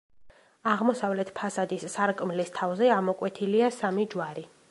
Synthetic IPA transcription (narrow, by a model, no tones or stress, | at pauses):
aʁmɔsavlɛt̪ʰpʰasad̪isːaɾkʼmlist̪ʰavzɛamɔkʼwɛt̪ʰiliasamid͡ʒwaɾi